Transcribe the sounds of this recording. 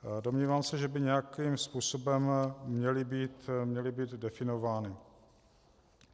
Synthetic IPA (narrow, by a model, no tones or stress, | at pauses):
do̞mɲiːvaːmsɛʒɛbɪɲɛjakiːmspuːso̞bɛmːɲɛlɪbiːt̪mɲɛlɪbiːd̪dɛfɪno̞vaːnɪ